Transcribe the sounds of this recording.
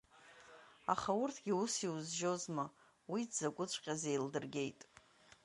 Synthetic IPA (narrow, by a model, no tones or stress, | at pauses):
a̰χaʊrtʰɡʲiusiuzʒozma | widzakʷʼʊt͡ɕʷʰʼqʲʼazejldɨrɡʲe̞jtʼ